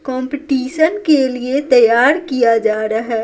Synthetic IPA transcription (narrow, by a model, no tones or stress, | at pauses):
kɔ̃ːmpɪʈiːʃənkeliet̪ɐjaːɾkijad͡ʒaːɾaɦɛː